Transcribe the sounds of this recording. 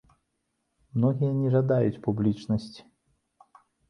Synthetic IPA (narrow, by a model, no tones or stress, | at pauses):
mnɔɣʲijɐnʲɛʐad̪ajut͡sʲpublʲit͡ʂnɐsʲt͡sʲi̥